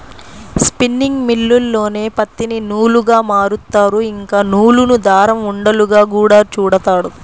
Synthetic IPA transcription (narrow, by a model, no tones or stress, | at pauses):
spinːiŋɡmilːulːo̞ːne̞ːpɐt̪ːininuːluɡaːmaːɾut̪ːaːɾuiŋkaːnuːlunud̪aːɾɐmuɳɖɐluɡaːkuːɽaːt͡ʃuːɽɐt̪aːɽu